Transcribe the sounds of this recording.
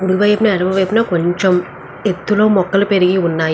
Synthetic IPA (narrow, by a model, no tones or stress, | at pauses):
uɽuʋɐjpinɐɐɽɐʋɐʋɐjpinɐko̞ɲt͡ʃem | et̪ːulo̞ːmɔkːɐlupeɾiɡiunːaːj